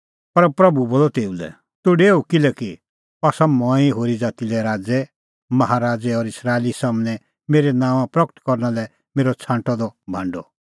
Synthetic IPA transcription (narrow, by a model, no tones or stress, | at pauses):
pɐɾpɾɐbuboːlɔt̪eːulɛ̰ | t̪ʊɖeːukɪlɛki | asamɔ̃ĩɦoːɾid͡zaːt̪ilɛɾaːd͡zɛ | mɐɦaɾaːd͡zɛɔːɾɪsɾaːelisaːmnɛ | meːɾɛnãːʋ̃ãpɾɔkə̥t̪kɔɾnalɛ | meːɾɔt͡sʰãːɳʈɔd̪ɔbʱãɳɖɔ